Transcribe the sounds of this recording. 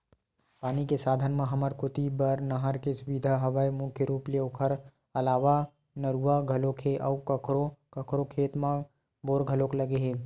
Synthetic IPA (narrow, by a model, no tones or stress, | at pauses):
paːnikesaːd̪ʱənmãɦɐməɾkʊt̪ibəɾnɐɦəɾkesʊbid̪ʱaɦɐʋaːjmʊkʰjəɾuːpleʊkʰəɾ | ɐlaːʋa | nəɾuʋaɡʱɐlokʰeʔɔːkəkʰɾokəkʰɾokʰeːt̪mã | boːɾɡʱəlokləɡeɦeː